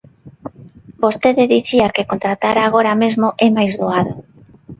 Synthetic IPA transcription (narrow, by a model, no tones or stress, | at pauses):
bost̪eðɪðiθiakekont̪ɾat̪aɾaːɣ̞oɾamezmoʔɛmajzðoaðo